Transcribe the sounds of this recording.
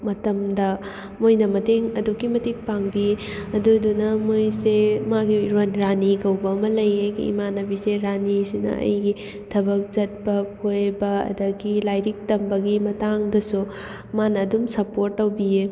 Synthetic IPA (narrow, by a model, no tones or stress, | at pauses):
mɐtɐmdɐ | mojnɐmɐteŋɐdukimɐtik̚paŋbiɐdudunɐmojsemaɡiɾonɾaniɡɐwbɐɐmɐlɐjeɡḭḭmanɐbiseɾanisinɐ̰ʔɐ̰jɡi | tʰɐbɐk̚t͡ʃɐt̚bɐkʰojbɐɐ̰dɐɡilajɾik̚tɐmbɐɡimɐtaŋdɐsu | manɐːdumsɐpoɾtːɐwbie